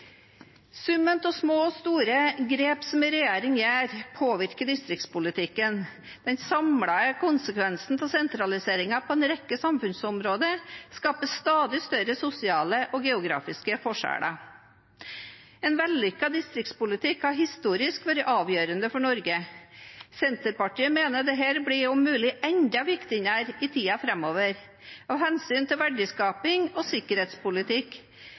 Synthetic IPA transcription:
sʉmənt̪ɔsmoːst̪uːɾəɡɾeːpsɔmɪɾɛjeːɾɪŋjæːɾpʰoːʋɪɾkəd̪ɪst̪ɾɪk̚t̪spʊlɪt̪ʰɪkːən | d̪̥ɛnsɑmɽɑəkʰʊnsəkʰʋɛnsn̩t̪ʰɪlsɛnt̪ɾɑlɪseːɾɪŋɑpʰɔɛːnɾɛkːəsɑmfʉnsɔmɾoːd̪əskɑːpəst̪ɑːd̪ɪst̪œɾəsʊsɪɑːləʔɔɡɛʊɡɾɑ̰ːfɪskəfɔʂæ̰ːɽɑ̰ | ɛːnʋɛlːʏkːɑd̪ɪst̪ɾɪk̚t̪spʊlɪt̪ʰɪkhɑɾɦɪst̪uːɾɪskʋæːɾəʔɑːʋjøːɾənd̪əfɔɳɔɾɡə | sɛnt̪əɾpɑʈiːəmeːnəd̪ɛɦæːɾbɽɪɔmːʉːlɪʔɛɲd̪ɑʋɪkt̪ɪnæɾɪt̪ʰiːɑfɾɛmːoːʋəɾ | ɑːʋhɛnsyːnt̪ʰɪlʋæɖəskɑːpɪŋosɪkəɾheːt̪spʊlɪt̪ʰɪk

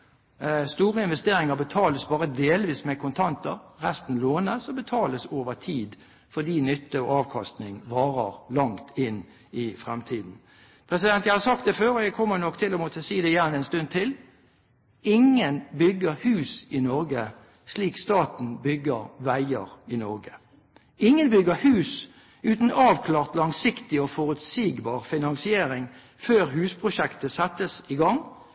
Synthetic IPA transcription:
st̪uːʁəɪnʋɛst̪eːɾɪŋəʁbət̪ʰɑːləsbɑːʁəd̪eːlʋiːsmɛkʰʊnt̪ʰɑnt̪əʁʁɛst̪n̩loːnəsɔmbət̪ʰɑːləsoːʋət̪ʰiːd̪ | fɔd̪iːnʏt̪ːəɔɑːʋkʰɑst̪nɪŋʋɑːʁəʁlɑŋt̪ʰɪn | ɪfʁɛmt̪ʰiːd̪n̩ | pʰʁɛsɪd̪ɛnt̪jæɪhɑʁsɑkt̪d̪ɛføːɾɔjæɡkʰɔmːənɔkːt̪ʰɪlɔmuːt̪ʰəsiːd̪ɛjæʁnəɛnst̪ʉnd̪̚t̪ʰɪl | ɪŋːənbʏɡːəʁhʉːsɪnɔɾɡə | sliːkst̪ɑːt̪n̩bʏɡəʁʋæɪəɾɪnɔɾɡə | ɪŋːənbʏɡəhʉːs | ʉːt̪n̩ɑːʋkʰlɑːʁt̪lɑŋsɪkt̪ɪɔfɔʁʉt̪siːɡbɑːʁfɪnɑŋsɪeːɾɪŋ | føːʁɦʉːspʰʁʊʃɛkt̪əsɛt̪ːəsɪɡɑŋ

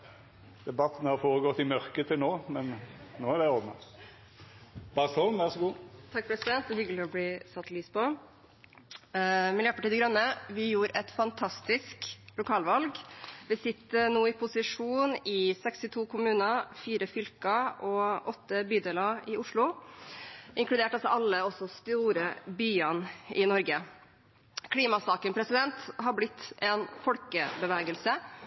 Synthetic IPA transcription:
d̪̥ɛbɑt̪ːn̩hɑɾfoːʁəɡɔt̪ːɪmœʁkət̪ʰːɪlnoːmɛnnoːæʁd̪ɛɔdnə | bɑʁsɔnʋæʁʂɔɡuːt̪ʰɑk̚ːpʰɾɛsɪd̪ɛnt̪̚d̪ɛhʏɡəlɪɔbliːsɑt̪ːliːspɔ | mɪljøːpɑʈiːd̪əɡɾɑnːəʋɪjuːɾɛt̪fɑnt̪ʰɑst̪ɪsklʊkʰɑːlʋɑlɡʋɪsɪt̪ːənoːɪpʰʊsɪʂuːnɪsɛkst̪ɪt̪ʰuːkʰʊmʉːnəfiːɾəfʏlkɑʔɔʔɔt̪ːəbyːd̪eːlɑɪʔʊʂɭʊ | ʔɪŋklʉd̪eːʈɑlsɔʔɑlːəɔsɔst̪uːɾəbyːɑnɪnɔɾɡə | kʰliːmɑsɑːkənpʰɾɛsɪd̪ɛnt̪ɦɑɾblɪt̪ʰːɛnfɔlkəbəʋeːɡəlsə

